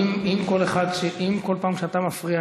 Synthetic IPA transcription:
mimko̞leχad̪ʃeʔimko̞lpaːmʃeat̪amafʁia

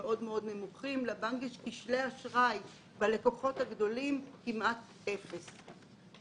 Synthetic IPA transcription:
ʔo̞dmeo̞d̪ne̞muχimlabaŋɡeʃkiʃleaʃʁaj | bale̞koχo̞thaɡdo̞limkimʔat | efes

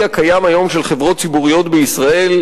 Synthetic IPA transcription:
akajamajo̞mʃelχevʁo̞t̪̚t͡sibuʁijo̞t̪beisʁae̞l

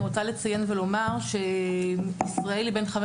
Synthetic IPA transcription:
ʁot͡salet͡saje̞nvelo̞maʁʃe̞ | isʁae̞libenχam

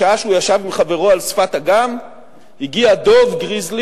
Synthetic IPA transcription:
aaʃeujaʃavimiχave̞ʁo̞alsfat̪aɡam | hiɡiad̪o̞vɡʁizl

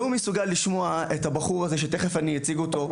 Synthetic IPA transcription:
umesuɡalːiʃmo̞aethabaχuʁazeʃ̬et̪e̞χefanijat͡siɡoto̞

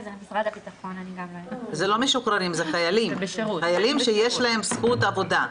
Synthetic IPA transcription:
fʁadbit̪aχon | zelo̞meʃukɾanimzeχajalimbʃuχajalimʃejeʃlae̞msχut̪avo̞d̪a

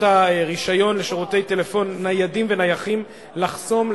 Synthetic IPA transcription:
aʁiʃajo̞nle̞ʃiʁute̞jte̞le̞fo̞nːajadimvenajaχim | laχso̞m

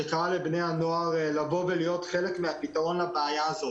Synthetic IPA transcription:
ekaʁalebnehano̞aʁlavo̞velijo̞t̪χe̞lekmeapitaʁo̞nlabeajaazo̞

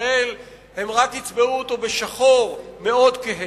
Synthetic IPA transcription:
el | he̞mʁakhit͡sbeuot̪obeʃaχo̞ʁme̞o̞d̪keɦe

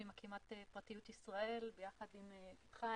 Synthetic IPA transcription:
imakimat̪epʁatijutisʁae̞lbejaχadimepit̪χa

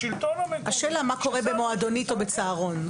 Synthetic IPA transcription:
ilhaʃeːlamako̞ʁebemoad̪onit̪o̞bet͡saːʁo̞n

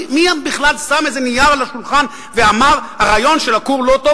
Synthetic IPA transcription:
miabiχlalsamezenijaʁlaʃulχan | veamaʁhaʁaːjo̞nʃelakuʁlo̞t̪o

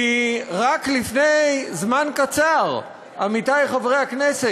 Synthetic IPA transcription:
iʁaklifnejzmankat͡saʁ | amit̪ajχavʁejhaknese

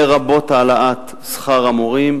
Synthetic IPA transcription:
eʁabo̞t̪aːlaʔat̪ | sχaʁamoʁim

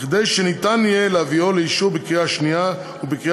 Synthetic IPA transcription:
χd̪ejʃenit̪anijeleavioleiʃubekʁiaʃnia | ubiki

